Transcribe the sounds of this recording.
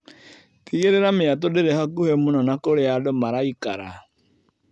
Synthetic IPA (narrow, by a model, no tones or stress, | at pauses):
tiɣeɾeɾameat̪̬odeɾehakuhemunɔnakoɾeadomaɾaikaɾa̰